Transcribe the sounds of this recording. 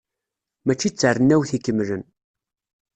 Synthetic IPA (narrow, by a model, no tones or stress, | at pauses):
mæt͡ʃːit͡sːərənːæwθikːəmːlən